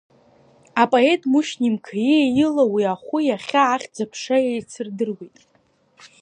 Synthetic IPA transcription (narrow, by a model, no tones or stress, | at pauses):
apʼoe̞tʼmuʃnimkʰajejɪlawiaχʷʊjaχʲaːχʲd͡zapʰʂajejt͡sʰɨrdɨrwejtʼ